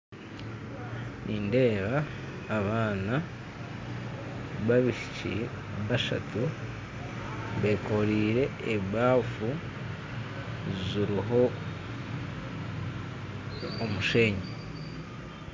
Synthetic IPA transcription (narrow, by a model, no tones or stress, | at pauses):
nʔiːnde̞ːβaː | βaːna | βaβiʃi̥cḭ | βaʃa̰tu | βe̞ko̞ɾiːɾe̞ːβwaːfu | ziɾiɦo̞ | muʃe̞ːɲe